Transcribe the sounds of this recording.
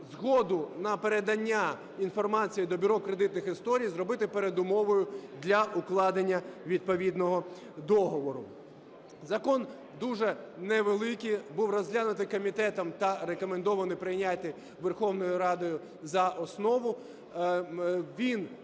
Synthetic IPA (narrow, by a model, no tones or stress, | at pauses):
zɦɔd̪ʊnɐpeɾed̪ɐnʲːa | infɔrmɑt͡sʲijid̪ɔbʲyɾɔkɾed̪ɪt̪nɪxɪst̪ɔɾʲijzrɔbɪt̪ɪpeɾed̪ʊmɔʋɔjʊd̪lʲɐʔʊklˠɑd̪enʲːɐʋʲid̪̚pɔʋʲid̪nɔɦɔ | d̪ɔɦɔʋɔɾʊ | zɐkɔn | d̪uʒɛnɛʋelˠɪkʲibuwrɔzʲɦlʲanʊt̪ɪkɔmʲit̪ɛt̪ɐmt̪ɐɾekɔmend̪ɔʋɐnɪpɾɪjnʲat̪ʲːɪ | ʋerxɔwnɔjʊɾɑd̪ɔjʊ | zɐʔɔsnɔʋʊ | ʋʲin